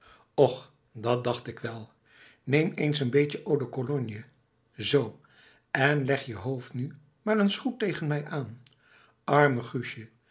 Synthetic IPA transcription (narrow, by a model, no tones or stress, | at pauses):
ɔχ | dɑt̚dɑχtɪkʋɛlˠ | nejmejnsənbejcəʔowdəkolɔnjə | zow | ɛnlɛχjəɦowftny | maːɹənsχutejχənmɛjʔaːn | ʔɑɹməχyʃə